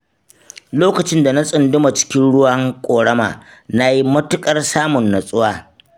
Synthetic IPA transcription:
loː˦kɐ˨t͡ʃɪ˦nda˨na˦sʼʊ˨ndʊ˦ma˨t͡ʃɪ̥˦kʲɪ˦nɽʊ˦wa˦ŋkʷʼoː˨ɽɐ˦ma̰ː˨na˦ji˦mɐ˦tʊ˦kʼɐ˦rsaː˦mʊ˨nːɐ˨sʼʊ˦waː˦

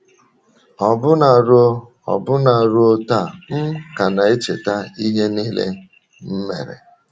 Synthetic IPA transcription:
ɔ˨bʊ˦na˨ɾo˦ | ɔ̰˨bʊ˦na˨ɾo˦o˦ta˦˨m̩˦ka˨na˨e˦t͡ʃḛ˨ta˦i˦ɦe˦niː˦lḛ˦ | m̩˦me˨ɾḛ˨

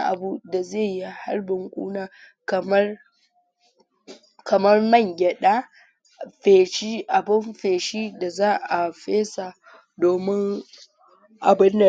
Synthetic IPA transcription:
ʔa̰˨bu˦da˨zeː˦˨ji˦ha̰˦rbɪ˨ŋkʷʼṵː˦naː˨ | kɐ˨mɐ˦r | kʰɐ˨mɐ˦rmɐ˦˨ŋɡʲɛ˨ɗaː˦ | ɸeː˨ʃi˦ʔa˨bɪ˦mɸeː˨ʃiː˦da˨zaː˦ʔa˨ɸeː˦sa˨ | doː˨mɪ˦ŋ | ʔa˨bɪ˦nːɐ˨

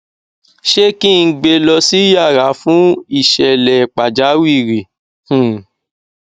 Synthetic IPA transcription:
ʃe˦kĩ˦˨˧ɡ͡be˧lɔ˧si˦ja˦˨ɾa˨˦fũ˦i˦˨ʃɛ˨lɛ˨k͡pa˨d͡ʒa˨˦wi˦˨ɾi˨ | hũ˦˨

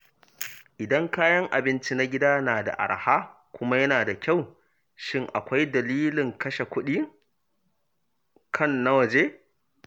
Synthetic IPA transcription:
ʔɪ˨dɐ˦ŋkaː˦jɐ˦ŋʔa̰˨bɪ˦nt͡ʃi˦na˦ɡʲɪ˦daː˦naː˨da̰˨ʔa̰˨ɽhaː˦ | kʷʊ˦ma˦jɐ˦naː˨da˨kʲa˦˨w | ʃɪ˦˨ŋʔa̰˨kʷa˦jdɐ˨liː˦lɪ˨ŋkɐ˦ʃe˨kʷʊ˦ɗiː˦ | kʰɐ˦˨nːa˦wɐ˨d͡ʒeː˦

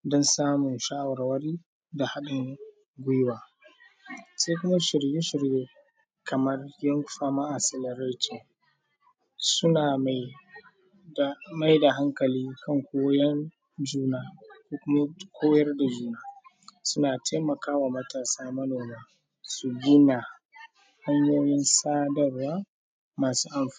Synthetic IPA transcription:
dɔ˦nsaː˦mʊ˨nʃaː˦wɐ˨rwɐ˦ɾiː˦ | da˨ha˦ɗɪ˨ŋ | ɡʷʊ˦jwaː˨ | se˦kʷʊ˦ma˦ʃɪ˨rje˦ʃɪ˨rjeː˦ | kʰɐ˨mɐ˦rjɐ˦ŋkʷɸaː˦maː˦ʔa˨sɪ˨lɐ˨ɾa˦to˨ | sʊ˦na˨˦ | ma˦jda˨ɦa˦ŋkɐ˨liː˦kʰɐ˦˨ŋkʷoː˦jɐ˦n | d͡ʒuː˦naː˦ko˦kʷʊ˦ma˦kʷʰoː˦jɐ˦rda˨d͡ʒuː˦naː˦ | sʊ˦naː˨tʰa˦mɐ˨kaː˦waː˨mɐ˦taː˨saː˦mɐ˦noː˨maː˦ | su˨ɡʲɪ˦na˨ | hɐ˦ɲjoː˦jɪ˦nsaː˦dɐ˨rwaː˦ | maː˨suː˦ʔa˨mf

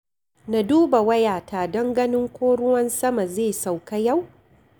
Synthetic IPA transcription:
na˨duː˦ba˨wɐ˦jaː˨taː˨dɐ˦ŋɡɐ˦nɪ˦ŋkʷoː˦ɽʊ˦wɐ˦nsɐ˦ma˨zeː˦˨sa˨wka˦ja˦˨w

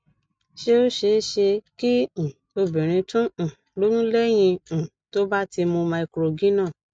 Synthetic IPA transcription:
ʃe˦o˦ʃe˧˦ʃe˧kĩ˦˨ | o˧bĩ˨ɾ̃ĩ˧tũ˦˨ | lo˨˦nũ˦lɛ˦j̃ĩ˧˨ | to˦ba˦ti˧mo˧mã˧i˧kɾo˨ɡĩ˦nãː˦˨

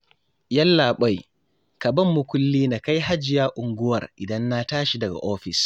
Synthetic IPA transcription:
ja˦lːaɓɔ˦j | kaba˦mːuku˦lːiː˦naka˦jɦa˦d͡ʒi˨jaʔuŋɡuwa̰ɾʔi˨da˦nːataː˦ʃidɐ˨ɡa̰˨ʔɔː˦fis

